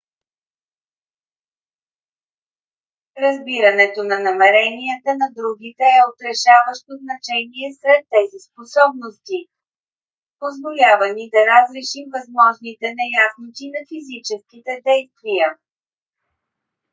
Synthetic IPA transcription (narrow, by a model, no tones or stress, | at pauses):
ɾɐzbiɾənɛt̪onɐnɐmɛɾɛnijət̪ənɐd̪ɾuɡ̟ʲit̪ɛːot̪ɾɛʃavəʃt̪oznɐt͡ʃɛniɛsɾɛt̪ːɛzisposɔbnost̪i | pozvolʲavənid̪ɐɾazɾɛʃimvɐzmɔʒnit̪ɛnɛjasnot̪ʲinɐfizit͡ʃɛskit̪ɛd̪ɛjst̪vijə